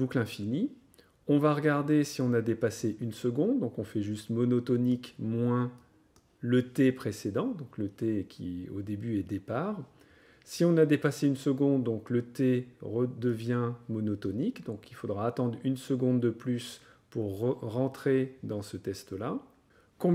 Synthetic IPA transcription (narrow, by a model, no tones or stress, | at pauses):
buklɛ̃fini | ɔ̃vaʁəɡaʁd̪esiɔ̃nad̪epaseʔynsəɡɔ̃d̪d̪ːɔ̃kɔ̃fɛʒyst̪mɔnɔt̪ɔnikmwɛ̃ | lət̪epχesed̪ɑ̃d̪ɔ̃klət̪ekʲʰḭo̰d̪ebyɛd̪epaːʁ | siɔ̃nad̪epaseynsəɡɔ̃d̪ːɔ̃klət̪eʁəd̪əvjɛ̃mɔnɔt̪ɔnikd̪ɔ̃kilfod̪ʁaːt̪ɑ̃d̪ʁynsəɡɔ̃d̪ːəplys | puʁəːɑ̃t̪χed̪ɑ̃sət̪ɛst̪la | kɔ̃